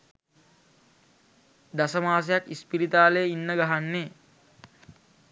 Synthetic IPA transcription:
d̪asəmaːs̬ejakispiɾit̪aːlejinːəɡaɦanːe

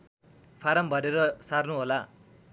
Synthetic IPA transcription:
pʰaɾʌmbʱʌɾeɾʌsarnuɦola

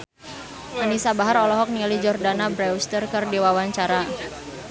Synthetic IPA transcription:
ʔanisabaɦaɾɔlɔɦɔk̚nialid͡ʒɔrdanabɾɛust̪ərkɨrdiwawaɲt͡ʃaɾa

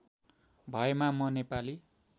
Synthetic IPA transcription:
bʱʌemamʌnepali

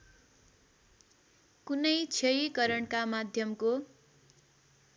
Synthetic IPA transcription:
kunʌjt͡sʰʌjikʌɾʌɳkamad̪ʱjʌmko

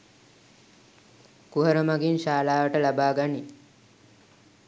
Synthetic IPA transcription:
kuɦəɾəmaɡinʃaːlaːʋəʈəlabaːɡani

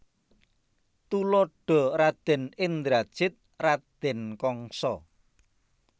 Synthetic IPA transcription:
t̪ulɔɖ̥ɔ̤ɾad̪̥ɛ̤nɪnd̪ɾad̥ʒ̥ɪt̪̚ | rad̪̥ɛ̤nkɔŋsɔ

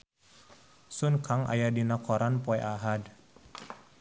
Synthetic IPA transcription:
sunkʰaŋa̰jadinakʰɔɾʔanpɔɛʔaɦad

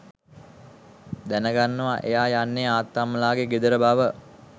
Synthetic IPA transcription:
d̪ænəɡanːəʋaʔejaːjanːeaːt̪ːaməlaːɡeɡed̪əɾəbaʋə

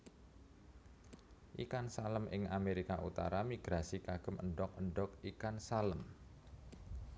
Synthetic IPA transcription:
ʔikansaləmʔɪŋameɾikaʔṵt̪a̰ɾamiɡ̥ɾasikaɡ̥ə̤mə̰ɳɖɔk̚əɳɖɔk̚ikansaləm

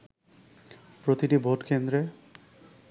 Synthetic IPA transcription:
pɾot̪iʈibʱoʈkend̪ɾe

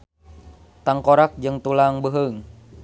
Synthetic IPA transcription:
t̪aŋkoɾak̚d͡ʒɨŋt̪ulaŋbəɦəŋ

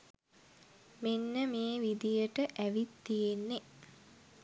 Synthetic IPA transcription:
menːəmeːʋid̪ijəʈəʔæʋit̪ːijenːe

